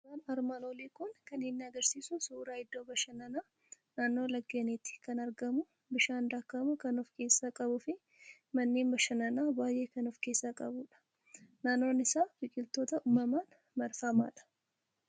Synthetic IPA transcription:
aːnɐɾmaloːleːkʊŋkɐnɪnːɪɐɡɐɾsiːsʊsuːɾaːɪd̪ːoːbɐʃɐnɐnaː | naːnːo̞ːlɐɡːeːnɪt̪ɪ̥kɐnɐɾɡɐmʊ | bɪʃaːnd̪aːkːɐmʊkɐnɔfke̞ːsːakʼɐbʊfɪ | mɐnːeːnbɐʃɐnɐnaːbaːjʔe̞ːkɐnɔfke̞ːsːakʼɐbuːᶑɐ̥ | naːnːo̞ːnɪsaːbɪkʼɪlt̪o̞ːt̪ɐʔuːmːɐmaːn | mɐɾfɐma̰ːᶑɐ̥

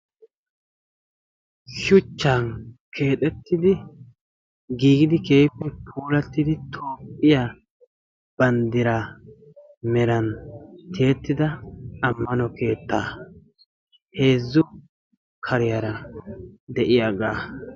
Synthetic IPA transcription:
ʃʊt͡ʃːaːnkʰe̞ːt̪ʼɛt̪ːɪd̪ɪ | ɡiːɡɪd̪ɪke̞ːpːɛpʰuːlɐt̪ːɪd̪ɪt̪ʰo̞ːpʼːɪja | b̥ɐnd̪ɪɾa | mɛɾɐnt̪ʰeːt̪ːɪd̪ɐːmːɐnɔke̞ːt̪ːa̰ː | he̞ːzːʊ | kʰɐɾɪjaɾɐ | d̪ɛʔɪjaɡaː

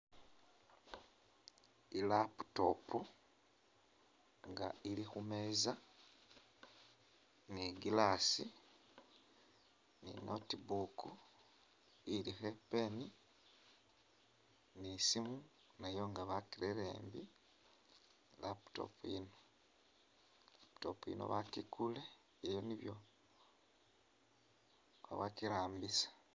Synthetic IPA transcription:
ilapu̥to̞̰pu | ŋɡa̰ilixume̞za | niɡilasi | nḭnotibuku | ilixepeni | nisimu | najo̞ŋɡaβakiɾeɾḛːmbi | lapto̰puino | apto̰puḭno̰βakikule | ejoniβjo̞ | ka̰βakiɾaːmbisḁ

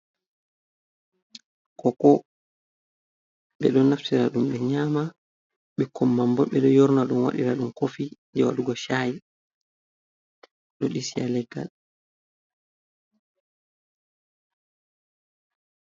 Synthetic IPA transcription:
kʰɔkɔ | ɓɛ̰ɗɔnaftiɾaɗumɓɛɲaːma | ɓɛkʰɔmːambɔɓɛɗɔjɔɾnaɗunwa̰ɗiɾaɗumkofiɲd͡ʒɛwa̰ɗuɡɔʃaji | ɗɔɗisia̰lɛɡːa̰l

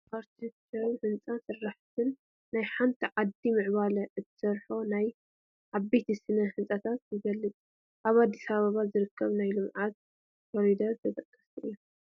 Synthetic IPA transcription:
pʰaɾt̪ʰit̪sɐɾuhɨnt͡sʼansɨrːaħt̪ʰɨnː | ajħant̪ʰiʕad̪imɨʕβalɐʔɨt̪ʰːɨ̥sɐɾħonaj | ʔaβbet̪ʰisɨnɐhɨnt͡sʼɐt̪ʰat̪̚jɨɡɐlːɨt͡sʼ | ʔaβad̪ːisaβaβazɨɾɨkʰːɐβnajlɨmʕat̪̚ | fɔɾid̪ɐɨt̪ʰɐt̪ʰʼɐkʼːɐst̪ʰuʔɨjːo

